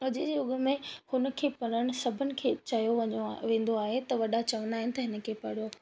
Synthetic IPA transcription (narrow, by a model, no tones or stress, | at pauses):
ʊʄɪd͡ʑeːʊɠəmẽhʊnə̆kʰeːpɐɾəɽ̃ʊ̆sɐbʱənɪ̆kʰeːt͡ɕɐjoʋɐoʋẽːn̆d̪oaːɦet̪ɐʋɐɗat͡ɕɐʋə̃nd̪aːɦɪnɪt̪ɐɦɪnə̆kʰeːpɐɽo